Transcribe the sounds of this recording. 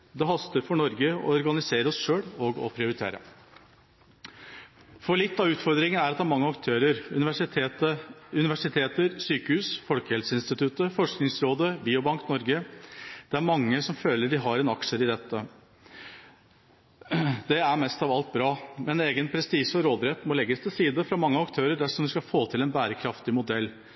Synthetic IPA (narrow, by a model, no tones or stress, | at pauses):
d̪ɛɦɑst̪əɾfɔɳɔɾɡəɔ̰ɔɾɡɑnɪseːɾəɔsʂøːɽɔɡɔ̰pʰɾɪʊɾɪt̪ʰḛːɾə̰ | fɔɭɪt̪ːɑʋʉːt̪fɔɾd̪ɾɪŋənæɾɑt̪d̪ɛæɾmɑŋːəɑkt̪ʰøːɾəɾ | əʉnɪʋæʂɪt̪ʰeːt̪əɾsyːkəhʉːsfɔlkəhɛlsəɪnst̪ɪt̪ʰʉt̪əfɔʂknɪŋsɾoːd̪əbiːʊbɑŋknɔɾɡəd̪̥ɛæɾmɑŋːəsɔmføːləɖɪɦɑɾɛnɑkʂəɾɪd̪ɛt̪ːə | d̪ɛæɾmɛst̪ɑʋɑlt̪̚bɾɑːmɛneːɡənpʰɾɛst̪iːʂɔɾoːd̪ɾɛt̪ːmɔlɛɡːəst̪ʰɪlsiːd̪əfɾɑmɑŋːəɑkt̪ʰøːɾəɖ̪æʂɔmʋ̪ɪskɑfoːt̪ʰɪlɛnbæːɾəkʰɾɑft̪ɪmʊd̪ɛlː